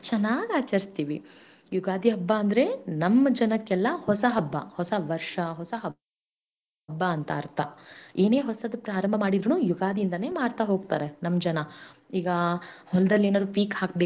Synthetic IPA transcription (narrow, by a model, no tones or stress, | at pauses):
t͡ʃɐnːaːɡaːt͡ʃɐɾist̪iːʋi | juɡaːd̪iɦɐbːaːnd̪ɐɾe̞nɐmːɐd͡ʒɐnɐkːɛlːɐhɔsɐɦɐbːɐ̰hɔsɐʋɐɾʂɐɦɔsɐɦɐb | ɐbːaːnt̪ɐːɾt̪ʰaeːne̞ːɦɔsɐd̪upɾaːɾɐmbʱɐmaːɽid̪ɾunuːjuɡaːd̪ʱijind̪ɐne̞ːmaːɽt̪aɦo̞ːɡ̚t̪aːɾenɐmːd͡ʒɐnɐiːɡɐhɔlɐd̪ɐlːeːnaːd̪uːpiːkhaːk̚beː